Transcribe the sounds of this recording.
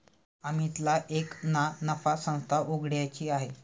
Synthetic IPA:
amit̪laʔeknanəfasə̃ŋst̪ʰaʔuɡɽjat͡ɕiːaɦe

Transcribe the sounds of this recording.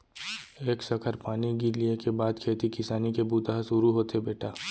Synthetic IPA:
eːksɐkʰəɾpaːniɡiɾliekebaːd̪kʰeːt̪ikɪsaːnikebuːt̪aɦsʊɾuɦoːt̪ebeːʈaː

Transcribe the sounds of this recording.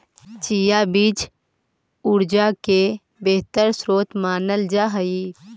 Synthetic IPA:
t͡ʃijabiːt͡ʃ | ʊɾd͡ʒake | beɦt̪əɾsɾoːt̪maːnəld͡ʒaɦəi

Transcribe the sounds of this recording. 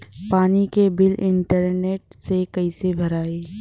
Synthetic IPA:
paːnikebɪlɪ̃ɳʈəɾneːʈ̚sekɐisebʱɐɾaːeː

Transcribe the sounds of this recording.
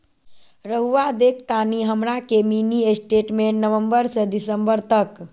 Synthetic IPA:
ɾəɦuʋad̪ek̚ʰt̪aniɦəmɾakeminiesʈeʈmẽnəʋəmbəɾsəd̪isəmbəɾt̪ək

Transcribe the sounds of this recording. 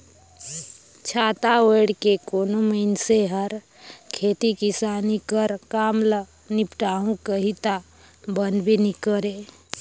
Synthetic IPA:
t͡ʃʰaːt̪aeɽkekoːnoməɪnseɦəɾ | kʰeːt̪ikisaːnikəɾkaːmlə | nɪpʈaːɦũkəɦit̪a | bənd̪bʱinikəɾeː

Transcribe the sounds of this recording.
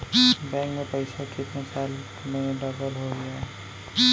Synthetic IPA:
bɛ̃ːŋkmẽpəɪsakɪt̪nasaːl | mẽɖəbəlɦoɡɐja

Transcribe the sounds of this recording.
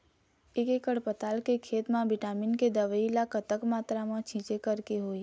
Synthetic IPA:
ɪkekəɽpət̪aːlkekʰeːt̪mãbɪʈaːminked̪əʋəilakət̪əkmaːt̪ɾamãt͡ʃʰĩːt͡ʃekəɾkeɦoːe

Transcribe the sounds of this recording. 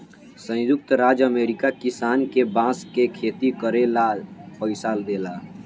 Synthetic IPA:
sə̃jjuk̚t̪ɾad͡ʒəmeːɾikakisaːnkebãskekʰet̪ikəɾelapəɪsald̪eːla

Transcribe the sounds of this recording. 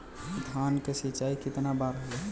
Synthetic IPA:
d̪ʱankesit͡ʃaikɪt̪nabaɾɦəlɛ

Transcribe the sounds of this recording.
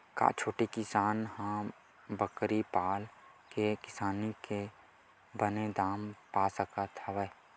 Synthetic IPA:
ka̰ːt͡ʃʰoːʈikɪsaːnɦã | bəkɾipaːl | kekɪsaːnike | bəned̪aːmpaːsəkat̪ʰaʋɛ

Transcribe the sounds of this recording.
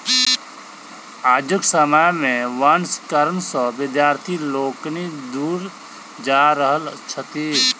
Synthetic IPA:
aːd͡ʒʊksəmajmẽʋanskəɾənsɔ̃ʋɪd̪jaːɾt̪ʰiloːknid̪uːɾ | d͡ʒaːɾəɦəlt͡ʃʰət̪i

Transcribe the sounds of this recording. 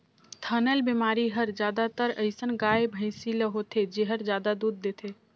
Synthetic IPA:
t̪ʰənəlbimaːɾiɦəɾd͡ʒjaːd̪at̪əɾəɪsənɡaːebʱə̃ɪsiləɦot̪ʰed͡ʒeɦəɾd͡ʒjaːd̪ad̪uːd̪̚ːeːt̪ʰe

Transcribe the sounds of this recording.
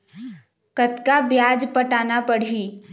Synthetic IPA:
kət̪kabjaːd͡ʒpəʈaːnapəɽ̤iː

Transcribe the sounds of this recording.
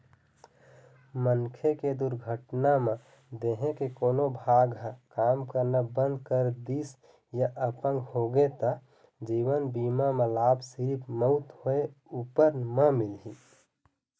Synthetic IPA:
mənkʰeked̪uɾɡʱəʈnamẽ | d̪eɦẽkekoːnobʱaɡɦkaːmkəɾnəbənd̪kəɾd̪is | jaʔəpə̃ŋɡhoɡet̪ə | d͡ʒiwənbiːmamẽlaːbʱsiɾipməʊt̪ɦoeuːpəɾməmilɦi

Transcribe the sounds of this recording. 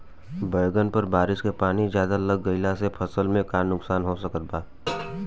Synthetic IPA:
bəjɡənpəɾbaːɾɪʃkepaːnizjaːd̪aləɡːəɪlasepʰɐsəlmẽkaːnnːʊksaːnɦosəkət̪̚baː

